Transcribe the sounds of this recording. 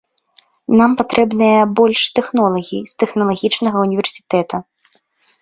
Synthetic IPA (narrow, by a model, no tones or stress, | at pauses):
nampat̪ɾɛbnɨjɐbɔlʲʂt̪ɛxnɔlˠɐɣʲḭst̪ɛxnɐlˠaɣʲit͡ʂnɐɣɐunʲivʲɛrsʲi̥t̪ɛt̪ɐ